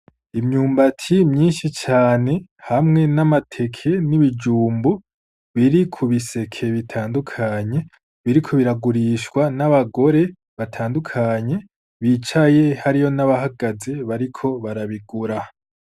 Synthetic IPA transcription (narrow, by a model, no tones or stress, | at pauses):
imɲuːmbatʰimɲiːnʃit͡ʃaːne̞hamŋe̞namatʰe̞kʰe̞niβid͡ʒuːmbu | βiɾikʰuβise̞kʰe̞βitʰaːndukʰaɲe̞ | βiɾikʰo̞βiɾaɡuɾiːʃkwanaβaɡo̞ɾe̞ | βatʰaːndukʰaɲe̞ | βit͡ʃaje̞haɾijo̞naβaɦaɡaze̞βaɾikʰo̞βaɾaβiɡuɾa